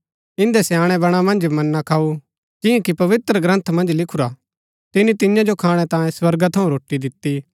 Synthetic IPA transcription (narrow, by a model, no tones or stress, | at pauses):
ɪ̃nd̪ɛsjaːɽ̃ɛbɐɽ̃amɐ̃nd͡ʒmɐnːakʰaːu | d͡ʒɪ̃jãkipɐʋɪt̪ɾəɡɾɐ̃nt̪ʰmɐ̃nd͡ʒlɪkʰuɾa | t̪ɪnĩt̪ɪjãd͡ʒokʰaːɽ̃ɛt̪ãːjẽswɐɾɡat̪ʰɐũɾoːʈid̪ɪt̪ːi